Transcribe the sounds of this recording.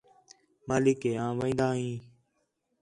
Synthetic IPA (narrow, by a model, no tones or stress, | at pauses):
maːlɪkeːãːʋẽːnd̪aːɦĩː